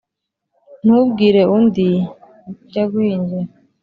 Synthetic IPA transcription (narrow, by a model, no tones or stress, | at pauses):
n̥ubɡiːɾeundi | ɟaɡwiːɲd͡ʒe